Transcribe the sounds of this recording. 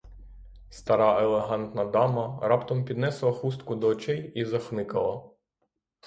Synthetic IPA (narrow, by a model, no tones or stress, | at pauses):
st̪ɐɾɑelˠeɦɑnt̪nɐd̪ɑmɐɾɑpt̪ɔmpʲid̪nɛslˠɐxust̪kʊd̪ɔːt͡ʃɛjizɐxnˠɪkɐlˠɐ